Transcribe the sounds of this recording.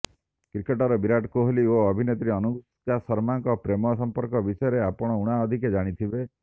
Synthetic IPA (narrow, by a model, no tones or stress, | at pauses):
kɾikeʈɔɾɔbiɾaʈkoɦolioɔbʱinet̪ɾiɔnuɡu | kasɔɾmaŋkɔpɾemɔsɔmpɔɾkɔbisɔjɔɾeapɔɽ̃ɔuɽ̃aɔd̪ʱiked͡ʒaɽ̃it̪ʰibe